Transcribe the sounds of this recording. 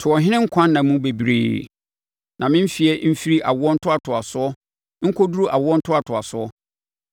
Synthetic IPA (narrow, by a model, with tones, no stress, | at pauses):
tʰʊ˨ɔ˨ɦɪ̃˦nɪ̃˦ŋ̩˦kʷʰã˦nː˦ã˨mũ˦be˨bɾḛː˨ | nʔã˨mɪ̃˦m̩˦fi˨ɛ˦m̩˦fi˦ɾi˦ʔa˨wʊ˦ɔ˦n̩˦tʰʊ˦a˨tʰʊ˨a˨sʊ˦ɔ˦ | ŋ̩˦kʰɔ˦du˦ɾu˦ʔa˨wʊ˦ɔ˦n̩˦tʰʊ˦a˨tʰʊ˨a˨sʊ˦ɔ˦